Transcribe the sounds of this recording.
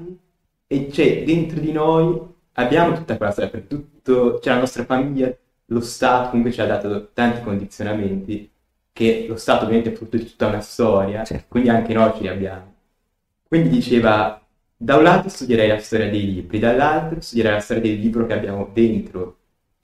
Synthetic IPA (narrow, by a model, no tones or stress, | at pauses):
et͡ʃɛd̪ːent̪ɾod̪inoj | abːjaːmot̪u̥t̪ːakwelast̪ɔɾjapeɾke̥t̪ːut̪ːot͡ʃɛlanɔst̪ɾafamiʎːa | lost̪aːt̪okomuŋkwet͡ʃiad̪ːaːt̪ot̪ant̪ikond̪it̪sːjonament̪i | kelost̪aːt̪oːvjament̪eɛfɾut̪ːod̪it̪u̥t̪ːaunast̪ɔːɾjat͡ʃkwind̪iaŋkenɔt͡ʃiabːjaːmo | kwind̪id̪it͡ʃeːva | d̪aunlaːt̪ost̪ud̪jeɾɛjlast̪ɔːɾjad̪ejliːbɾid̪alːalt̪ɾost̪ud̪jeɾɛjlast̪ɔːɾjad̪elːiːbɾokeabːjaːmod̪ent̪ɾo